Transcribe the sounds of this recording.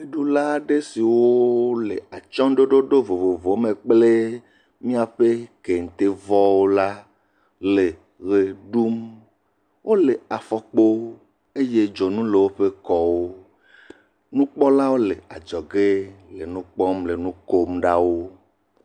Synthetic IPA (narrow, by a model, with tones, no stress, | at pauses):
e˦ɖu˦la˦ɖe˦si˨wo˦le˨a˨t͡ʃɔ̃˦ɖo˦ɖo˦ɖo˦vo˨vo˨vo˨˦mẽ˨k͡ple˦ | mĩ˦a˨ɸe˦ke˨ŋ̩˨t̪e˦vɔ˦wo˦la˦ | le˨ | ɣe˨ɖu˦m | wo˦le˨a˨fɔ˦k͡po˦ | e˦je˦d͡ʒɔ˨nũ˦le˨wo˦ɸe˦kɔ˦wo˦ | nũ˦k͡pɔ˦la˦wo˦le˨a˨d͡ʒɔ˨ɡe˦le˨nũ˦k͡pɔ˦mle˨nũ˦ko˦mɖa˦wo˦